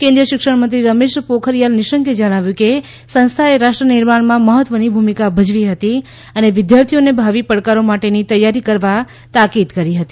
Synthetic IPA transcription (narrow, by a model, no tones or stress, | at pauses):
kẽnd̪ɾəʃɪkʂəɽmənt̪ɾiɾəmeʃpokʰəɾjalnɪʃəŋked͡ʒəɽ̃aʋjũke | sə̃nst̪ʰaeɾaʃʈɾənɪɾmaɳmãməɦət̪ʋənibʱumikabʱəd͡ʒʋiɦət̪i | əneʋɪd̪jaɾt̪ʰijonebʱaʋipəɽkaɾomaʈenit̪əjːaɾikəɾʋa | t̪akid̪kəɾiɦət̪i̥